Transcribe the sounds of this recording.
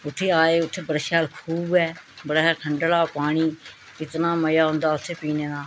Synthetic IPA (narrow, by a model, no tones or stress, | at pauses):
ʊt̪ʰːeːaːeːʊt̪ʰːeːbəɾʃaːlkʰuːbɛːbəɽaːʈʰəɳɖlaːpaːɽ̃iː | kɪt̪nãːməjaːɦʊ̃nd̪aːʊt̪ʰːeːpiːnẽːnaː